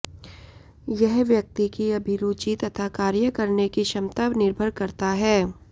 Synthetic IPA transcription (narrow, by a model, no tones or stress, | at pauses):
jɛɦʋjɐk̚t̪ikiɐbʱiɾuːt͡ʃit̪ɐt̪ʰakaːɾjəkɐɾnekiʃɐmt̪aʋnɪɾbʱəɾkɐɾt̪aɦɛː